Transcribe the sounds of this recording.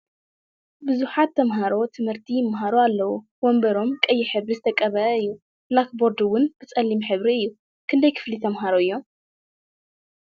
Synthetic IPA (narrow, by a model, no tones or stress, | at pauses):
bɨzuħat̪ʰːɐmɦaɾo̞t̪ʰɨmhɨɾt̪ʰijɪmɦaɾoalːɐwu | wombɐɾo̞mkʼɐjːɪħɨβɾizɨt̪ʰɐkʼːɐβɐɨjːu | lakbo̞ɾd̪ɨwʊnb̥ɨt͡sʼɐlːimħɨβɾiɨjːu | kʰɨnd̪ɐjkʰɨ̥flit̪ʰɐmɦaɾoɨjːo̞m